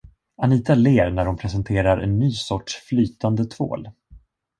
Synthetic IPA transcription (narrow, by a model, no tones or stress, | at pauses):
aniːt̪aleːɾnæɖɔmpʰɾɛsɛnt̪ʰeːɾaɾʔɛ̰nːyːsɔʈʂflyːt̪and̪ət̪ʰvo̰ːl